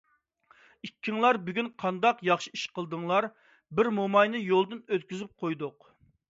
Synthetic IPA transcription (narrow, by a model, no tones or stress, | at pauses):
ikʲʰːiŋlˠɑɾbyɡʲynqʰɑnd̪ɑqjɑχʃiiʃqəlˠd̪ɨŋlˠɑɾ | bɪɾmumɑjnɨjolˠd̪ɨnøt̪̚kʲyzyp̚qʰojd̪ʊq